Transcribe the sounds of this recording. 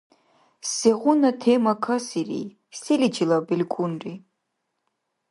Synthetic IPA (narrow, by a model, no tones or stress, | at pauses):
seʁʷʊnɐtʰemɐkʰɐsirḭ | silid͡ʒilabilʲkʷʼunri